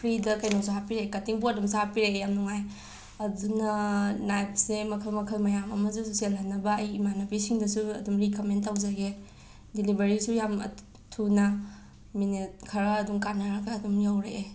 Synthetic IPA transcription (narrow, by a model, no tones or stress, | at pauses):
pʰɾidɐkɐjnowsuɦapiɾekɐtiŋpuɐdumsahapiɾejamnuŋaj | ɐdunɐnajt̚semɐkʰɐlmɐkʰɐlmɐjamɐmɐsuselɐnɐbɐːjimanɐbisiŋdɐsuɐ̰dumɾikɐmentːawzaɡe | dilibeɾisujamɐ̰ | tʰunɐ | minet̚kʰɐɾɐːduŋkanːaɾɐɡaːdumjawɾee